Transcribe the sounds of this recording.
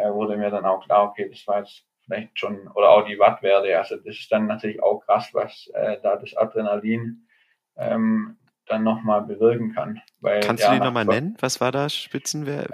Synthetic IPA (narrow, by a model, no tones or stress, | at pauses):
ɛvʊɐdəmiːɐdanaʊxkl̥aːɐokʰeːd̥asv̥aːɐjɛt͡st | fɪlaɪçtʃoːnʔoːɾɐʔaʊxd̥iːvatv̥ɛːɐdəʔalzod̥asɪ̥st̚d̥anːatʰyːɐlɪça̰ʊxkʁ̥asvasʔɛ̰ːd̥aːdasʔa̰dʁɛnaliːn | ʔɛ̰ːm | d̥anːɔχmaːlbəvɪɐkŋ̩kʰa̰n | va̰ɪlkantjtaːiːnɔχmaːlnɛnənvasv̥aːɐdaːʃpɪt͡sn̩vɛ̰ːɐ